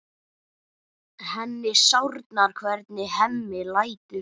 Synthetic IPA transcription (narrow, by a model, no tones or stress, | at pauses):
hɛnːɪsawɾt̪naɾ̥kʰvɛɾt̪nɪhɛmːɪlaːjt̪ʏ